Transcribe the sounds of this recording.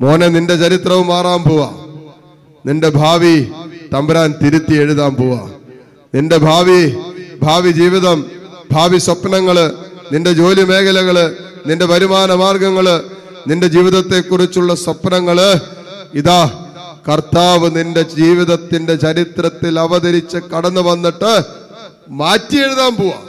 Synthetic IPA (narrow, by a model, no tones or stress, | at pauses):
mo̞ːneninde̞t͡ɕɐɾit̪rɐʋumaːraːmpoːʋa | ninde̞bʱaːʋit̪ɐmbɐɾaːnt̪iɾut̪ːie̞ɻuðaːmpoːʋa̰ː | ninde̞bʱaːʋibʱaːʋid͡ʑiːʋiðɐm | bʱaːʋiswɐpːɐnɐŋːɐɭninde̞d͡ʑo̞ːljɐme̞ːkɐlɐɣɐɭɨ | ninde̞bʱɐɾumaːnɐmaːrɡɐŋːɐɭ | ninde̞d͡ʑiːʋiðɐt̪ːe̞kːurit͡ɕːuɭːɐswɐpnɐŋːɐɭ | iðaː | kɐrt̪aːʋɨninde̞d͡ʑiːʋiðɐt̪ːinde̞t͡ɕɐɾit̪ɾɐt̪ːilɐʋɐðɐɾit͡ɕːɨkɐɽɐnːɨʋɐnːiʈːɨ | maːtːije̞ɻuðaːmpoːʋa̰ː